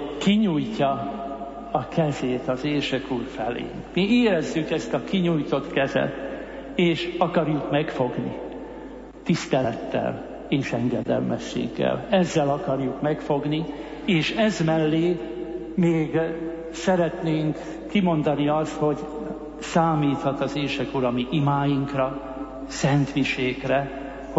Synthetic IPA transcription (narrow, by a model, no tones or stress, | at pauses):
kiɲujcːɒ | ɒkɛzeːt̪ɒzeːʃɛkuːrfɛlḛːnmieːɾɛzːykɛst̪ɒkiɲujt̪o̞t̪kɛzɛ̰t̪ | eːʃɒkɒrjukmɛkfo̞ɡnḭ | t̪ist̪ɛt̪ːɛ̰l | eːʃɛŋɡɛd̪ɛ̰lmɛʃːḛːɡːɛ̰lɛzːɛlɒkɒrjukmɛkfo̞ɡni | eːʃɛzmɛlːeː | meːɡ | sɛɾɛt̪neːŋkː | imo̞nd̪ɒniɒst̪ho̞ɟ | saːmiːt̪hɒt̪ɒzeːʃɛkuɾɒmiʔimaːjiŋkrɒ | sɛnt̪miʃeːkrɛ | h